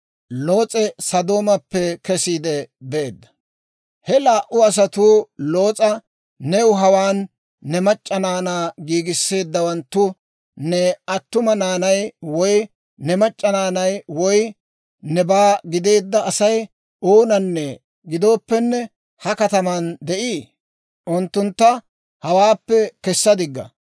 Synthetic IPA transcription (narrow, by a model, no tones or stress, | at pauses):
lo̞ːt͡sʼɛsɐd̪o̞ːmɐpːɛkɛsiːd̪ɛbeːd̪ːɐ̥ | hɛlaːʔʊɐs̬ɐt̪uːlo̞ːt͡sʼɐ | nɛwʊɦɐwaːnː | ɛmɐt͡ʃʼːɐnaːnaːɡiːɡɪsːe̞ːd̪ːɐwɐnt̪ːʊ | nɛɐt̪ːʊmɐnaːnɐjwɔj | nɛmɐt͡ʃʼːɐnaːnɐjwɔj | nɛbaːɡɪd̪e̞ːd̪ːɐːsɐj | o̞ːnɐnːɛ | ɡɪd̪o̞ːpːɛnːɛ | hɐkɐt̪ɐmɐnd̪ɛʔiː | ʔʊnt̪ːʊnt̪ːɐ | hɐwaːpːɛkɛsːɐd̪ɪɡːɐ̰